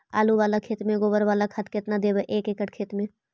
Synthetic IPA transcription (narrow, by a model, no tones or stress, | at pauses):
a̰ːluʋaːlakʰeːt̪mẽɡoːbəɾʋaːlakʰɐt̪ʰkɪt̪nad̪eːbeʔeːkeːkəʈʰkʰeːt̪mẽː